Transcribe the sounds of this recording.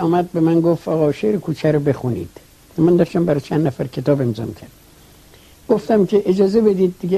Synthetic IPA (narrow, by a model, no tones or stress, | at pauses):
ɒːmæd̪̚bemænɡoft̪ɒːɣɒːʃeɾekʰuːt͡ʃʰæɾobe̞xunḭːd̪̥ | mænd̪ɒʃt̪æmbæɾɒt͡ʃʰænd̪næfæɾkʰe̞t̪ʰɒːbe̞mzɒ̰ːmicʲʰæɾd̪̚ | ɡ̥oft̪æmkʰeʔed͡ʒɒːzebe̞d̪iːd̪ːiɡe